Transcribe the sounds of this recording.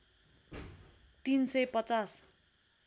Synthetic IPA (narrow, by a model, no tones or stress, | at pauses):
t̪insʌjpʌt͡sas